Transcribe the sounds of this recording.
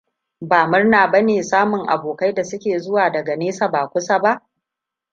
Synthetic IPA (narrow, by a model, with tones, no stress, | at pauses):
baː˨mʊ˦rnaː˨bɐ˦neː˨saː˦mʊ˨ŋʔa̰˨boː˨ka˦jda˨sʊ˦kʲeː˨zʊ˦waː˨dɐ˨ɡa˨neː˦sa˨baː˨kʷʊ˦sa˦ba˦ʔ